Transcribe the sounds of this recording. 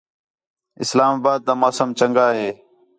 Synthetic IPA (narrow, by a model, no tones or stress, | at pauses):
ɪslaːmaːbaːd̪̚ːaːmaːsəmt͡ʃəŋɡaːɦeː